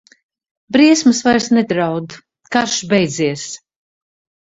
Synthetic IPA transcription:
bɾiɛsmɨsvaɾsnɛd̪ɾawd̪ | kaɾʃbɛjd̪ziɛs

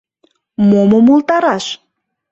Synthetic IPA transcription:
momomolt̪ɑɾɑʃ

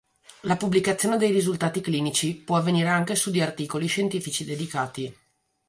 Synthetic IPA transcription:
lapubːlikat̪sːjoːned̪ejrizult̪aːt̪ikliːnit͡ʃipwɔavːeniːɾeaŋkesud̪iart̪iːkoliʃent̪iːfit͡ʃid̪ed̪ikaːt̪i

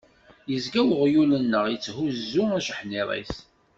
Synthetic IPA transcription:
jəzɡæwʁjulənːəʁjət͡sːhuzːʊæʃəħniɾˤḭθ

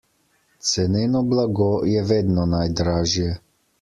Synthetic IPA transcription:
t̪sɛnɛnɔblaɡɔjɛʋed̪nɔnajd̪ɾaːʒjɛ

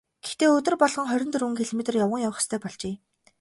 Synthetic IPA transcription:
ɡ̥ext̪eːɵt̪ɵ̆rpɔɮʁ̥ɞ̆ŋχœɾʲɪ̆nt̪ɵruŋkʰeɮɔmet̪rjawə̆ŋjawχst̪ʰœːpɔɮt͡ɕeː

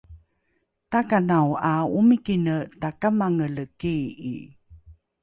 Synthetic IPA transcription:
takanawaumikinətakamaŋələkiḭ

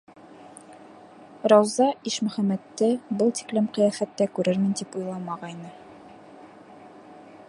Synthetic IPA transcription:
ɾɑwzɑiʃmɵ̆χæmæt̪ːɘbɤlˠt̪i̥klɘmqɤ̆jæfæt̪ːækʉɾɘɾmɘ̆nt̪ipujlˠɑmɑʁɑjnɤ

